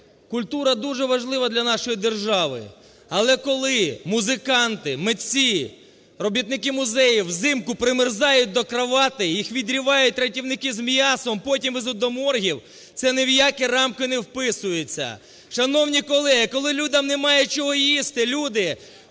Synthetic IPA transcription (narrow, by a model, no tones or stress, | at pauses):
kʊlʲt̪uɾɐd̪uʒɛʋɐʒlˠɪʋɐd̪lʲɐnɑʃɔjid̪erʒɑʋɪ̰ | ɐlˠɛkɔlˠɪmʊzɪkɑnt̪ɪmet͡sʲːi | rɔbʲit̪̚nɪkɪmʊzɛjiwzɪmkʊpɾɪmɪrzɑjʊt̚ʲd̪ɔkɾɐʋɑt̪ɪjixʋʲid̪ɾʲiʋɑjʊt̚ʲɾɐtʲiwnɪkɪzmjɑsɔmpɔtʲimʋɪzʊd̪ɔmɔrɦʲiw | t̪sɛnewjakɛrɑmkɪnɛwpɪsʊjet͡sʲːɐ̰ | ʃɐnɔwnʲikɔlˠɛɦɪkɔlˠɪlʲud̪ʲɐmnemɑjɛt͡ʃɔɦɔjist̪ɪlʲud̪ɪ